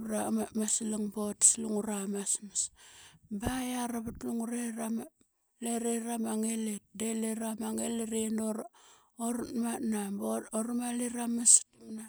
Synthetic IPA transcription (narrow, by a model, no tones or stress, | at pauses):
ɾamamaslaŋbotsluŋuɾamasmas | bajaɾaβatluŋuɾeram | leɾeɾamaŋelet̚deleɾamaŋeleɾenoɾ | oɾmanabooɾmaliɾamastmna